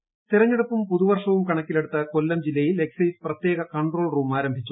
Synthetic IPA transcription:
t̪irɐɲːeɽupːumpuðuʋɐrʂɐʋumkɐɳɐkːileɽut̪ːɐkolːɐmd͡ʑilːɐjile̞ksɐjsprɐt̪je̞ːɣɐkɐɳɖro̞ːɭruːmaːɾɐmbʱit͡ɕːu

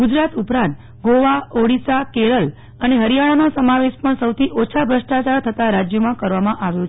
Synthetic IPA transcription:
ɡud͡ʒɾat̪upɾãnt̪ | ɡoʋaoɽisakeɭəl | əneɦəɾijaɭanosəmaʋeʃpəɳsəwt̪ʰiʔot͡ʃʰabʱɾəʃʈat͡ʃaɾt̪ʰət̪aɾad͡ʒjəmãkəɾʋamãʔaʋjo

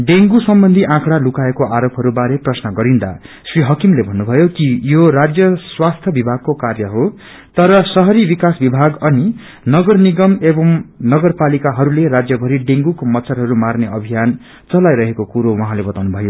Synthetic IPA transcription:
ɖeŋɡusʌmbʌnd̪ʱiʔãkɽalukaekoʔaɾopʰɦʌɾubaɾeprʌsnʌɡʌɾind̪a̰ | sriɦʌkimlebʱʌnːubʱʌjokijorad͡zjʌswast̪ʰjʌbibʱaɡ̚kokarjʌɦo | t̪ʌɾʌsʌɦʌɾibikasbibʱaɡʌni | nʌɡʌrniɡʌmebʌmnʌɡʌrpalikaɦʌɾuleɾad͡zjʌbʱʌɾiɖeŋɡukomʌt̪sʰʌɾɦʌɾumarneʌbʱijan | t͡sʌlajɾʌɦekokuɾowʌɦãlebʌt̪awnubʱʌjo

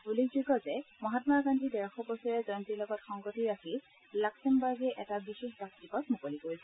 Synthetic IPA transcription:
ulikzuɡɔzɛmɔɦatmaɹɡandidɛɹxɔpɔsɔɹɛzɔntilɔɡɔtxɔŋɡɔtiaxi | laksɛmbaɹɡɛʔɛtabixexdak̚tibɔtmukolikoɹisɛ

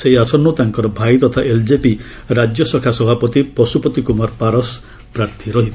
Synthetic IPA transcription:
seɦiasʰɔnːot̪aŋkɔɾɔbʱajt̪ɔt̪ʰaʔeld͡ʒepi | ɾad͡ʒjɔsɔkʰasɔbʱapɔt̪ipɔsupɔt̪ikumaɾpaɾɔs | pɾaɾt̪ʰiɾɔɦit̪

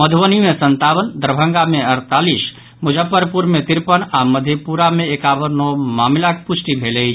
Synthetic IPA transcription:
məd̪ʱʋənimesənt̪abəld̪əɾbʱə̃ŋɡameəɾt̪alis | mud͡ʒəpːəɾpuɾmet̪iɾpənaməd̪ʱjepuɾameekabəɾnɔmamilakput͡ʃʰʈibʱelet͡ʃʰ

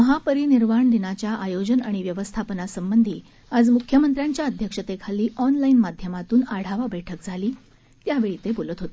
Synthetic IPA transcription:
məɦapəɾiːniɾmaɳd̪inat͡ɕjaʔajod͡ʑənaɽ̃iʋjəʋəst̪ʰapənasəmbənd̪ʱiː | ad͡zmukʰjəmənt̪ɾjaɲt͡ɕjaəd̪ʱjəkʂət̪ekʰaliːʔɔnlainmad̪ʱjəmat̪uːnaɽ̤aʋabɛʈʰək̚d͡zʱaliː | t̪jaʋeɭit̪ebolət̪ɦot̪e̥

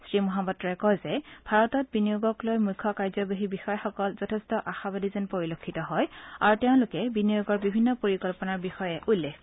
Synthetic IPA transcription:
sɹimɔɦabɔtːɹɔɛkɔjzɛbʱaɹɔtɔt̚binijoɡɔklojmukʰːɔkaɹzɔbeɦibixɔjɔxɔkɔlzɔtʰestɔʔaxabadizɔnpoɹilokʰːitɔɦɔja̰ɹutɛʊ̃nlʊkɛbinijoɡɔɹbibʱinːɔpoɹikɔlpɔnaɹbixɔjɛʔulːex

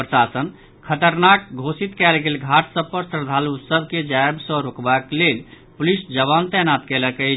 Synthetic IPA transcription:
pɾəsasən | kʰət̪əɾnak̚ɡʱosit̪kɛlɡelɡʱaʈsəb̚pəɾsəɾd̪ʱalusəbʱked͡ʒaebsə̃ɾokbaklel | pulisd͡ʒəβant̪ɛnat̪kɛləkə

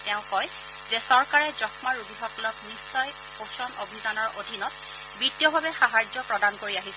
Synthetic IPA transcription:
tɛʊ̃kɔj | zɛsɔɹkaɹɛzɔxmaɹubiɦɔkɔlɔknisːɔj | posɔnobʱizanɔɹodʱinɔt̚ | bitjɔbʱabɛxaɦaɹd͡ʒɔpɹɔdankoɹiaɦisɛ

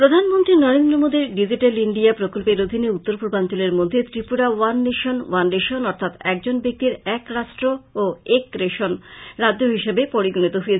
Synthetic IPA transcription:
pɾod̪ʱanmont̪ɾinɔɾend̪ɾomod̪iɾɖid͡ʑiʈeliɳɖiapɾokolpeɾod̪ʱineut̪ːoɾpuɾbant̪oleɾmod̪ʱːet̪ɾipuɽawanːeʃonwanːeʃonɔɾt̪ʰat̪ɛk̚d͡ʑonbek̚t̪iɾɛkɾaʃʈɾooekɾeʃonɾad͡ʑoɦiʃebepoɾiɡonit̪oɦojet͡ɕʰ

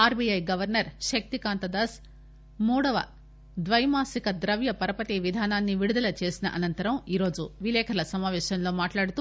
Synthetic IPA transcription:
aːɾbiɐjɡɐʋɐɾnɐɾʃɐk̚t̪ikaːnt̪ɐd̪aːs | muːɽɐʋɐ̰ | d̪ʋɐjɐmaːsikɐd̪ɾɐʋjɐpɐɾɐpɐt̪iʋid̪ʱaːnaːnːiʋiɽud̪ɐlɐt͡ʃe̞ːsinɐʔɐnɐnt̪ɐɾɐmiːɾo̞ːd͡ʒuʋilɛːkʰɐɾɐlɐsɐmaːʋɛːʃɐmlo̞ːmaːʈlaːɽut̪u

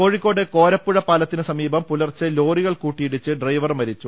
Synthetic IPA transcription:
ko̞ːɻikʲːo̞ːɽeko̞ːɾɐpːuɻɐpːaːlɐt̪ːinɨsɐmiːbɐmpulɐrt͡ɕːɨlo̞ːriɣɐɭkuːʈːijiɽit͡ɕːɨɖrɐjʋɐrmɐɾit͡ɕːu

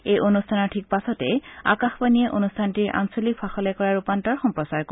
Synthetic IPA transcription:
ejʔonustʰanɔɹʈʰik̚pasɔtɛa̰kaxpanieʔonustʰantiɹʔa̰nsolikfʰaxɔlɛkɔɹaɹupantɔɹxɔmpɹɔsaɹko

